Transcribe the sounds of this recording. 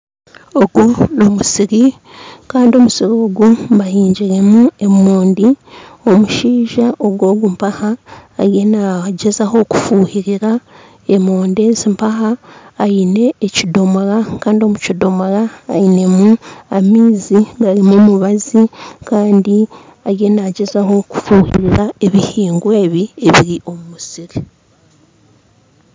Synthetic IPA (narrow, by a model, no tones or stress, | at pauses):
oɡunomusiɾi | kaːndio̞musiɾo̞ːɡumβahiːɲɟiɾe̞mue̞moːndio̞muʃiːʒaʔo̞ɡwoːɡumpahaːɾje̞naɟe̞zaho̞ku̥fuːhiɾiɾa | emoːnde̞zimpaɦaːine̞ːcido̞moɾakaːndio̞mucido̞moɾa̰ːine̞muamiːziβaɾimumuβazikaːndi | aɾje̞naɟe̞zaɦo̞ku̥fuːhḭɾiɾae̞βihiːŋɡwe̞ːβie̞βiɾiʔo̞mumusiɾi